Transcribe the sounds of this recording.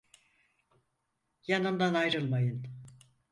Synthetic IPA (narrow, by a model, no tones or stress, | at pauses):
janɯnd̪anajɾɯlˠmajɯn